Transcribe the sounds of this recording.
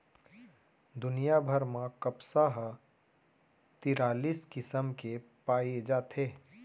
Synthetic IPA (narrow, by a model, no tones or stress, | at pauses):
d̪ʊnijabʱəɾmãkəpsaɦ | t̪iːɾaːliːskɪsəmkepaːed͡ʒaːt̪ʰeː